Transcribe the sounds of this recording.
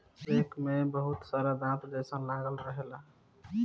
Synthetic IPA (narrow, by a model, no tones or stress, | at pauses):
ekmebəɦut̪saɾad̪ãt̪d͡ʒesənlaɡəlɾəɦela